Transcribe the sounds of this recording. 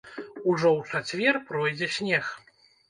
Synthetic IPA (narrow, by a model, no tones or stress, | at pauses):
uʐɔwt͡ʂat͡sʲvʲɛrpɾɔjd͡zʲɛsʲnʲɛx